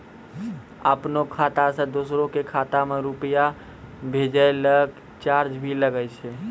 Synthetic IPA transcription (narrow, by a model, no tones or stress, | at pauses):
əpnokʰat̪asə̃d̪osɾõkekʰat̪ameɾupəja | bʱed͡ʒəeləɡ | t͡ʃaɾd͡ʒbʱiləɡət͡ʃʰɛ